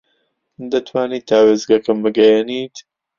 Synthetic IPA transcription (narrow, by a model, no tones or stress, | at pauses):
d̪ɐt̪ʰwaːniːt̪aːweːzɡɐkɨmbɨɡɐjɛniːt̪